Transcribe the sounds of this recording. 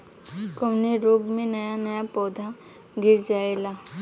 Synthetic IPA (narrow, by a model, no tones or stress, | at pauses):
kəmniɾoːɡmẽnɐjanɐjapɔːd̪ʱa | ɡɪɾd͡ʒaːelaː